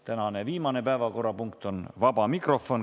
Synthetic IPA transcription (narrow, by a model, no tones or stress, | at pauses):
t̪ænɑneviːmɑnepæevɑko̞rːɑpuŋk̚t̪o̞nvɑbɑmikro̞fo̞n